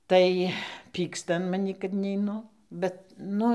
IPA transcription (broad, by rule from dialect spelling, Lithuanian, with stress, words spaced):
ˈtɐɪ ˈpʲiːkstɐ ɐn mɐˈnʲiː kɐt nʲɛɪˈnʊ ˈbʲɛt ˈnʊ